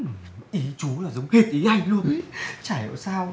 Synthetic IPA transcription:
ʔi˨˦t͡ɕu˨˦laː˨˩zə˨˦wŋ͡mhe˨˧˩t̪̚ʔi˨˦ʔa˨˧˩jŋ̟lu˧ən˨˦t͡ɕaː˧˩jə̰˧˩saː˧w

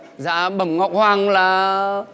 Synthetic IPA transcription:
za̰ː˧˥ɓə˨˧˩mŋɔ˨˩wk͡p̚hwaː˧ŋlaː˨˩

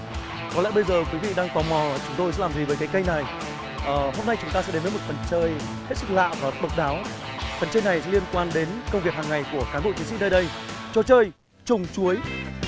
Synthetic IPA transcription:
kɔ˨˦lɛ̰˧˥ɓə˧jzəː˨˩kwi˨˦vḭ˧˨ɗaː˧ŋt̪ɔ˨˩mɔ˨˩t͡ɕʊ˨˦ŋ͡mt̪o˧jsɛ̰˧˥laː˨˩zi˨˩vəː˨˦jkaː˨˦jkə˧jna˨˩j | ʔəː˨˩ho˧mna˧jt͡ɕʊ˨˦ŋ͡mt̪aː˧sɛ̰˧˥e˨˦mə˨˦jm˨˩t̚fə˨˩nt͡ɕəː˧j | he˦˥t̚sɨ˦˥k̚la̰ː˧˨wvaː˨˩ɗə˨˩wk͡p̚ɗaː˨˦w | fə˨˩nt͡ɕəː˧jna˨˩jsɛ̰˧˥li˧ənkwaː˧nɗe˨˦nkə˧ŋ͡mvi˨˩əkhaː˨˩ŋːa˨˩jku˧˩əkaː˨˦nɓo̰˧˨t͡ɕi˨˦ŋsḭ˧˥nəː˧jɗə˧jt͡ɕɔ˧t͡ɕəː˧j | t͡ɕʊ˨˩ŋ͡mt͡ɕu˨˦əj

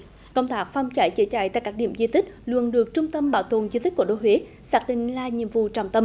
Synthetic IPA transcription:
kə˧wŋ͡mt̪aː˦˥k̚fa˧wŋ͡mt͡ɕa˧˩jt͡ɕḭ˧˦t͡ɕa̰ː˧˩jt̪a̰˧˨jkaː˦˥k̚ɗi˧˩əmzi˧t̪ï˦˥k̟̚lwə̰˨ənɗɨ˨˩ək̚t͡ɕʊ˧ŋ͡mt̪ə˧mɓaː˧˩wt̪o̰˧˨ənzi˧t̪i̟˦˥ku˧˩ə˩ɗo˧˦ɦwe˨˦ | saː˦˥k̚ɗḭ̈˧˨ŋ̟laː˨˩ɲḭ˧˨əmvṵ˧˨t͡ɕɔ˧˩wŋ͡mt̪ə˧m

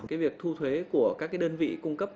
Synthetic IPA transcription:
kaː˨˦jvi˨˩ək̚t̪ʰu˧t̪ʰwe˨˦ku˧˩əkaː˦˥k̚ːaː˨˦jɗəː˧nvḭ˧˨kʊ˧ŋ͡mkə˦˥p̚

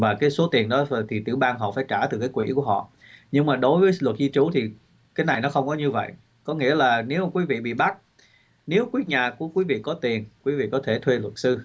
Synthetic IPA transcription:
vaː˨˩kaː˨˦jso˨˦t̪i˨˩ənɗɔ˨˦˨t̪ʰi˨˩t̪ɨ̰˧˩ɓaː˧ŋɦɔ̰˧˨faː˧˩jt͡ɕaː˧˩t̪ɨ˨˩kaː˨˦jkwḭ˧˥ku˧˩əɦɔ̰˧˨ | ɲɨ˧ŋmaː˨˩ɗo˨˦jvəː˨˦jlwə˨˩t̚zi˧t͡ɕu˨˦t̪ʰi˨˩ | kaː˨˦jna˨˩jnɔ˨˦xə˧wŋ͡mkɔ˨˦ɲɨ˧və̰˧˨j | kɔ˨˦ŋḭ˧˥əlaː˨˩ne˨˦wkwi˨˦vḭ˧˨ɓḭ˧˨ɓa˦˥t̚ | ne˨˦wkwi˦˥t̚ɲaː˨˩ku˧˩əkwi˨˦vḭ˧˨kɔ˨˦t̪i˨˩ənkwi˨˦vḭ˧˨kɔ˨˦t̪ʰe˧˩t̪ʰwe˧lwə˨˩t̚sɨ˧

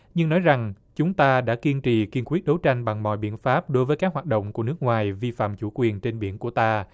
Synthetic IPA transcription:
ɲɨ˧ŋnɔ˨˦jza˨˩ŋ | t͡ɕʊ˨˦ŋ͡mt̪aː˧ɗa̰ː˧˥ki˧ənt͡ɕḭ˧˨ki˧ənkwi˦˥ət̚ɗo˨˦wt͡ɕa˧jŋ̟ɓa˨˩ŋmɔ̰˧˨jɓḭ˧˨ənfaː˦˥p̚ɗo˨˦jvəː˨˦jka˦˥k̚waː˨˩t̚ɗo̰˧˨wŋ͡mku˧˩ənɨ˦˥k̚ŋwaː˨˩jvi˧fa̰ː˧˨mt͡ɕu˧˩kwi˨˩ənt͡ɕe˧nɓḭ˧˩ənku˧˩ət̪aː˧

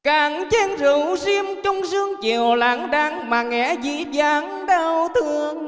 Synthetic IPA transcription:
kaː˨˩˦ŋt͡ɕɛ˧nzu˧˩˦wzi˧əmt͡ɕɔ˧wŋ͡mzɨ˧əŋt͡ɕe˨˩əwlaː˨˦ŋɗaː˨˦ŋmaː˨˩ŋɛ̰˧˥zḭ˧˩˦zaː˨˦ŋ | ɗa˧wt̪ʰɨ˨əəŋ

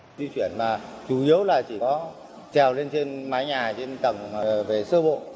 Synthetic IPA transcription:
zi˧t͡ɕwi˧˩ənmaː˨˩t͡ɕu˨˩ʔi˨˦əwlaː˨˩t͡ɕi˧˩kɔ˨˦ | t͡ɕɛ˨˩wle˧nt͡ɕe˧nmaː˨˦jɲaː˨˩t͡ɕe˧nt̪ə˨˩ŋː˨˩ve˨˩sɨ˧əɓo̰˧˨

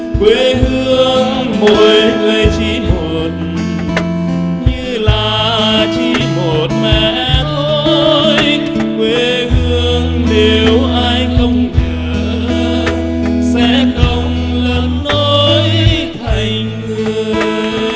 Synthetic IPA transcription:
kwe˨˩hɨ˧əŋmo˨˩jkwe˧t͡ɕi˧˦ŋo˨˩t̚ | ɲɨ˧laː˨˩t͡ɕi˧˨˧mo˨˩t̚mɛ˧˨˩ʔt̪ʰo˧jj | kwe˨˩ | hɨ˧əəŋ | ne˨˩wʔaː˧jxə˧wŋ͡mɲəː˧˨˩ | sɛ̰˧˥kə˧wŋ͡mlə˧˩nːo˧jt̪ʰa˨˧˩jŋ | ŋɨ˧əəə

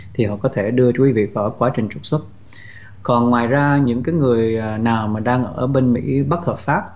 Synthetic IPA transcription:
t̪ʰi˨˩hɔ̰˧˨kɔ˨˦t̪ʰe˧˩ɗɨ˧əkwi˨˦vḭ˧˨va̰ː˧˩˦kwaː˨˦t͡ɕï˨˩ŋ̟t͡ɕʊ˨˩k̚swə˦˥t̚ | kɔ˨˩nŋwaː˨˩jzaː˧ɲɨ̰˧˥ŋkaː˨˦jŋɨ˨˩əjnaː˨˩wmaː˨˩ɗaː˧ŋʔəː˧˩ɓe˧nmḭ˧˥ɓə˦˥t̚həː˨˩p̚faː˦˥p̚

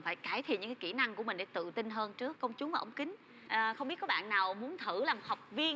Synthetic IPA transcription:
faː˧˩jkaː˧˩jt̪ʰi˨nɨ˧˥ŋkːaː˨˧˦ki˧˩na˧ŋku˧˩əmï˨˩ŋ̟ɗe˧˩˦t̪ɨ̰˧˨t̪i˧nɦəː˧nt͡ɕɨ˦˥əkːə˧wŋ͡mt͡ɕʊ˨˦ŋ͡mvaː˨˩ʔwŋ͡mkï˨˦ŋ̟ | ʔəː˨˩xə˧wŋ͡mɓi˦˥t̚kɔ˨˦ɓa̰ː˧˨nːaː˨˩wmu˨˦ənt̪ʰɨ˧˩laː˨˩mo˨˩ha˨˩wk͡p̚vi˧ə

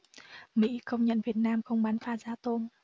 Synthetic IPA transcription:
mḭ˧˥xə˧wŋ͡mɲə̰˧˨nvi˨˩ət̚naː˧mxə˧wŋ͡mɓaː˨˦nfaː˧zaː˧˩t̪o˧n

